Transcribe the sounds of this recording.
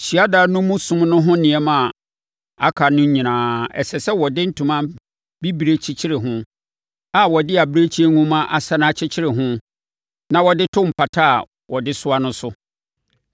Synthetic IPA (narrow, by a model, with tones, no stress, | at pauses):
ɕi˨a˦da˨˦nʊ̃˦mũ˦sʊ̃˦mnʊ̃˦ɦʊ̃˦nɪ̃˨ɛ˦mã˨ | a˦kʰa˨nʊ̃˦ɲ̩˦ɲĩ˨nãː˨˦ɛ̰˨sɛ˨sɛ˦wɔ˨dɪ˦n̩˦tʰũ˨mã˦ | bi˦bi˨ɾe˦t͡ɕʰi˦t͡ɕʰɪ˦ɾɪ˨ɦʊ̃˦ | a˨wɔ˨dɪ˦a˨bi˦ɾe˦t͡ɕʰi˦e˦ŋũ˦mã˦ʔa˨sa˦nã˦t͡ɕʰɪ˦t͡ɕʰɪ˦ɾɪ˨ɦʊ̃˦ | nã˨wɔ˨dɪ˦tʰʊ̃˦m̩˨pʰa˨tʰa˦a˨ | wɔ˨dɪ˦sʊ˦a˦nʊ̃˦sʊ˦